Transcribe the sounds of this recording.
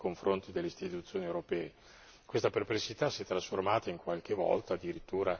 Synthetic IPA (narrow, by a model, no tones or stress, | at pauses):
koɱfɾont̪id̪elːeist̪it̪ut̪sːjoːniewɾopɛːe | kwest̪aperplesit̪asiɛt̪ːɾasformaːt̪aiŋkwalk̟evɔ̰lt̪aːd̪ːiɾit̪ːuːɾa